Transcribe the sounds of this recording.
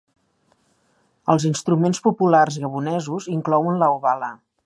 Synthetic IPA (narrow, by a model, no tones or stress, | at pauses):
əlˠzinst̪ɾumenspupularzɣəβunɛzuziŋklɔwənləuβalə